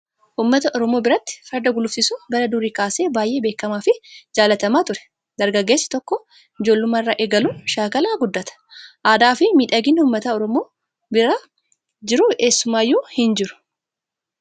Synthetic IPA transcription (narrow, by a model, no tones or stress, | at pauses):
ʔuːmːɐt̪ɐʔɔɾɔmo̞ːbɪɾɐt̪ːɪ̥fɐɾd̪ɐɡʊlʊfsɪsubɐlɐd̪uːɾiːkaːse̞ːbaːjʔe̞ːbe̞ːkːɐmaːfɪd͡ʒaːlɐt̪ɐmaːt̪ʊɾɛ̥ | d̪ɐɾɡɐɡːeːsːɐ̥t̪ɔkːɔ | ɪd͡ʒo̞ːlːʊmːɐɪrːa̰ːʔɛɡɐluːnʃaːkɐlaːɡʊd̪ːɐt̪ɐ̥ʔaːd̪aːfɪmiːᶑɐɡɪnːɪʊːmːɐt̪ɐɔɾɔmoː | bɪɾa | d͡ʒɪɾʊeːsːʊmaːjuːhɪnd͡ʒɪɾʊ̥